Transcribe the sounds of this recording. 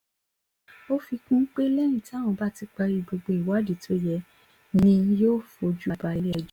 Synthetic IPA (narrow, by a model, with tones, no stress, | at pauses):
o˦fi˧kũ˦k͡pe˦lɛ˦ñĩ˦˨tã˦˨ɔ̃˧ba˦˨ti˧k͡pa˧ɾi˧ɡ͡bo˧ɡ͡bo˧i˨wa˨˦di˨tʰo˨˦jɛ˧ | nĩ˧joː˦˨fo˧d͡ʒu˦˧˨ba˧i˧lɛ˧˨d͡ʒ